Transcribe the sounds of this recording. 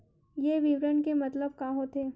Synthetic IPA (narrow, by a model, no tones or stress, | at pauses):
jeʋiʋɾənkemɐt̪ləb̚kaːɦot̪ʰeː